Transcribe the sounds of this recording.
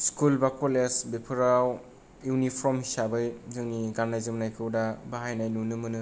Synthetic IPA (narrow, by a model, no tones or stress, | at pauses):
skulbakolesbepʰɯɾaw | uwnipʰɔmhisabɯjzɯŋniɡanajzɯmnajkʰɯwdabaɦajnajnunɯmɯnɯ